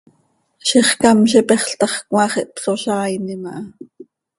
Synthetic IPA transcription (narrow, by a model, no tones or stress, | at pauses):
ʃiχkɑmʃipɛχɬt̪ɑχkwɑχiʔpsoʃɑːjnimɑʔɑ